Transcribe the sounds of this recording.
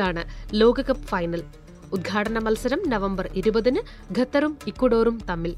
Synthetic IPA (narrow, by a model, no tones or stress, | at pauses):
aːɳɨlo̞ːɡɐkːɐpːfɐjnɐl | ud̪̚ɡʱaːʈɐnɐmɐlsɐɾɐmnɐʋɐmbɐriɾubɐðinɨ | ɡʱɐt̪ːɐrumikːuɽo̞ːrumt̪ɐmːil